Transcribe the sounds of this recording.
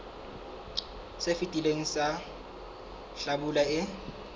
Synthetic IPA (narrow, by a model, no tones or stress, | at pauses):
sefitʼileŋ̩sa | ɬabulaɪ